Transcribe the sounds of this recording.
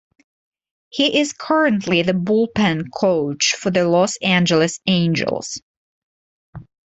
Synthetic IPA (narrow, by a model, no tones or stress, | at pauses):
hiʔɪz̥kʰɜ˞ɨ̃ntʰliðɨbʊlˠpɨ̃nkʰoʊt͡ʃfə˞ðɨlɔsæ̃nd͡ʒəlˠɨsẽɪ̃nd͡ʒə̰lˠz̥